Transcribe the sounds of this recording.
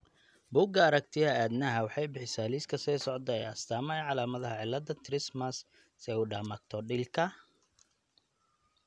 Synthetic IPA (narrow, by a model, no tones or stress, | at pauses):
bʊːɡɐːɾɐkt̪ʰɪɐaːd̪nɐɦɐwɑħɑjbɪħɪsaːliskʰɐsɛːsɔʕd̪ɐɛ̰jɐst̪ʰaːmɐjʕɑlaːmɐðɐɦɐʕɪlɐd̪ɐt̪ʰɾɪsmɐs | sɛʊɖaːmɐk̚t̪ʰɔɖɪlkʰɐ